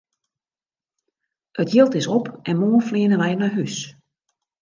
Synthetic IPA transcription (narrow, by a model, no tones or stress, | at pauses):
ətjilˠtɪsɔpɛnmoːnfliənəʋɛjənaɦys